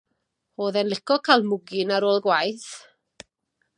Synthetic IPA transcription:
hoːðɛnlˠɪkʰɔkʰalˠmʊɡɪnaɾoːlˠɡwajθ

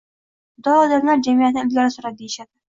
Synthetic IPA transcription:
d̪ɒɒd̪amlaɾd͡ʒamijat̪ɪnɪɪlɡʲaɾɪsʊɾap̚d̪ejɪʃad̪ɪ

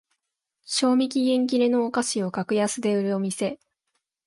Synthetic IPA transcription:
ɕo̞ːmʲikʲiɡẽ̞ŋk̬ʲiɾe̞no̞ːkaɕio̞kakɯ̟jasɨd̪e̞ɯ̟ɾɯ̟o̞mʲise̞

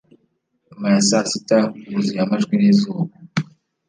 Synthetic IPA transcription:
majasasitauβuzijamaʒɡwinizuːβa

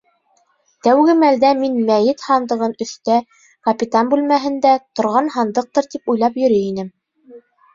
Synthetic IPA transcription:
t̪æwɡɘmæld̪æminmæjɘt̪hɑnd̪ɤ̆ʁɤnɵ̆θt̪æ | kɐpʲit̪ɑnbʉlmæɦɘ̆nd̪æt̪ŏɾʁɑnhɑnd̪ɤq̚t̪ɤɾt̪ipujlˠɑpjɵ̆ɾɘinɘm

